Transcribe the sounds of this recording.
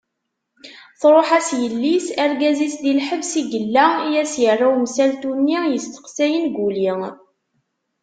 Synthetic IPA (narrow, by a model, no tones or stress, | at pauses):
θɾˤoħæsjəlːisæɾɡæzisd̪ilħəvsiɡəlːæijæsjərˤːawmsælt̪unːijəst̪ə̥qsæjənɡuli